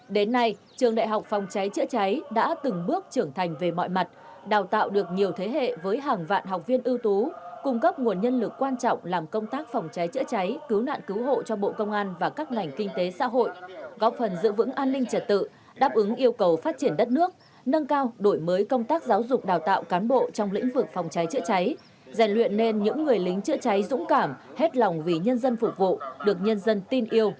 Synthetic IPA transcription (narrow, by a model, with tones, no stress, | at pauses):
ɗe˨˦nːa˧j | t͡ɕɨ˨˩əŋɗa̰ː˧˨jɦa˨˩wk͡p̚fɔ˨˩wŋ͡mt͡ɕa˨˦jt͡ɕɨ̰˧˥t͡ɕa˨˦jɗa̰ː˧˥t̪ɨ˨˩ŋɓɨ˦˥ək̚t͡ɕɨ˧˩əŋt̪ʰa˨˩jŋ̟ve˨˩mɔ̰˧˨jma˨˩t̚ | ɗaː˨˩wt̪a̰ː˧˨wɗɨ˨˩ək̚ɲi˨˩əwt̪ʰe˨˦ɦḛ˧˨vəː˨˦jɦaː˨˩ŋva̰ː˧˨nɦa˨˩wk͡p̚vi˧ənʔɨ˧wt̪u˨˦kʊ˧ŋ͡mkə˦˥p̚ŋu˨˩ənɲə˧nlɨ˨˩kːwaː˧nt͡ɕɔ̰˧˨wŋ͡mlaː˨˩mkə˧wŋ͡mt̪aː˦˥k̚fa˨˩wŋ͡mt͡ɕa˨˦jt͡ɕɨ̰˧˥t͡ɕa˨˦jkɨ˨˦wna̰ː˧˨nkɨ˨˦wɦo̰˧˨t͡ɕɔ˧ɓo̰˧˨kə˧wŋ͡mʔaː˧nvaː˨˩kaː˦˥k̚ŋa˨˩jŋ̟kï˧ŋ̟t̪e˨˦sa̰ː˧˥ɦo̰˧˨jʔɣɔ˦˥p̚fə˨˩nzɨ̰˧˨vɨ̰˧˥ŋʔaː˧nːï˧ŋ̟t͡ɕə˨˩t̚t̪ɨ̰˧˨ | ɗaː˦˥p̚ʔɨ˨˦ŋʔi˧əwkə˨˩wfaː˦˥t̚t͡ɕi˧˩ənɗə˦˥t̚nɨ˦˥ək̚ | nə˧ŋkaː˧wɗo˧˩jməː˨˦jkə˧wŋ͡mt̪aː˦˥k̚zaː˨˦wzʊ˨˩k͡p̚ɗaː˨˩wt̪a̰ː˧˨wkaː˨˦nɓo̰˧˨t͡ɕɔ˧wŋ͡mlḭ̈˧˥ŋ̟vɨ˨˩k̚fɔ˨˩wŋ͡mt͡ɕa˨˦jt͡ɕɨ̰˧˥t͡ɕa˨˦j | za˨˧˩ŋ̟lwḭ˧˨ənːe˧nɲɨ̰˧˥ŋːɨ˨˩əjlï˨˦ŋ̟t͡ɕɨ̰˧˥ət͡ɕa˨˦jzʊ̰˧˥ŋ͡mkaː˧˩mhe˦˥t̚lɔ˨˩wŋ͡mvi˨˩ɲə˧nzə˧nfʊ˨˩k͡p̚vṵ˧˨ɗɨ˨˩ək̚ɲə˧nzə˧nt̪i˧nʔi˧əw